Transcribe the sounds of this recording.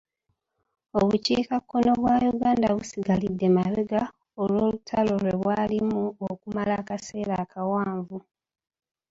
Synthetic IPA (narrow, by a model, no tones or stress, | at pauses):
oβuciːkakːo̞no̞βwajuɡaːndaβusiɡalidːe̞maβeɡa | olwoːlutʰalo̞le̞βwaːlimuokumalaːkase̞ːɾakʰawaːɱvu